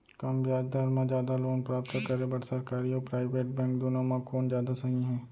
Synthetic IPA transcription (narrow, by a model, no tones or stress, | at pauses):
kɐmbjaːd͡ʒd̪aːɾmãd͡ʒjaːd̪aloːnpɾaːp̚t̪akɐɾebɐɽsɐɾkaːɾioːpɾaːɪʋeːʈ̚bɛ̃ːŋkd̪oːnomãkʰoːnzjaːd̪asɐɦĩɦɛ̃ː